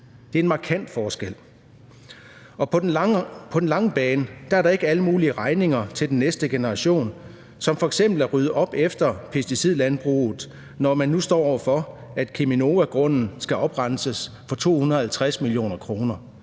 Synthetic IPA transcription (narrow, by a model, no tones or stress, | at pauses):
d̥e̝ɐe̝nmɑ̈kʰæn̰d̥fɒːsɡ̥el̰ | ɒ̽ | pʰɒ̽d̥enlɑ̈ŋəb̥ɛːnəd̥ɑ̈æɐɾɑ̈e̝ɡ̥əæləmuːliəʁɑ̈ɪne̝ŋɐt͡sʰe̝ld̥enːesd̥əɡ̥e̝nəʁɑ̈ɕo̝̰ːn | sɒ̽mfɒ̽eɡ̥sem̰b̥l̩æɐʁyð̞ˠʔɒ̽b̥efd̥ɐpʰe̝sd̥isið̰ˠlænb̥ʁṵːð̩ˠ | nɒmænːusd̥ɒ̰ːɒʊ̰ɐfɒ̽æd̥kʰemino̝ːʋæɡ̥ʁɔ̽n̰n̩sɡ̥æʔɒ̽b̥ʁɑn̰səs | fɒ̽t͡sʰo̝̰ːhunɐð̩ˠhælt͡sʰʁasmilijo̝̰ːnɐkʰʁo̝ːnɐ